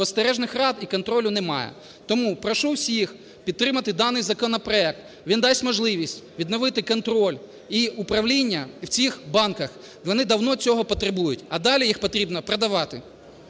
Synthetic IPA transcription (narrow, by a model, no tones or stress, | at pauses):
ɔst̪eɾɛʒnɪxrɑd̪ikɔnt̪ɾɔlʲʊnɛmɑ̰jɛ̰ | t̪ɔmupɾɔʃuwsʲix | pʲid̪t̪ːɾɪmɐt̪ɪd̪ɑnɪjzɐkɔnɔpɾɔɛk̚t̪ | ʋʲind̪ɑsʲmɔʒlˠɪʋʲisʲtʲʋʲid̪nɔʋɪt̪ɪkɔnt̪ɾɔlʲ | iupɾɐwlʲinʲːɐwt͡sʲixbɑnkɐx | ʋɔnɪd̪ɐwnɔt͡sʲɔɦɔpɔt̪ɾebujʊtʲɐd̪ɑlʲijixpɔt̪ɾʲibnɔpɾed̪ɐʋɑt̪ɪ